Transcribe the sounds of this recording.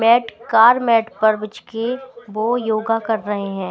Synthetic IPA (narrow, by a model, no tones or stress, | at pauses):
mɛːʈkaːɾmɛːʈpɐɾbɪt͡ʃkeʋoːjoːɡakɐɾːɐɦeɦɛ̃ː